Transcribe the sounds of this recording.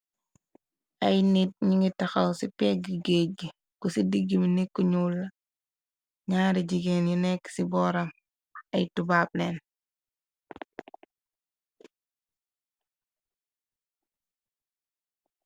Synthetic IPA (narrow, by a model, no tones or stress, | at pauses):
ʔɐjnit̚ɲiŋitaxɐwsipɛɡiɡeɟ | kusidiɡiminikːuɲulːɐ | ɲaːɾiɟiɡeːnjunɛksibɔːɾɐm | ɐjtubaːp̚lɛːn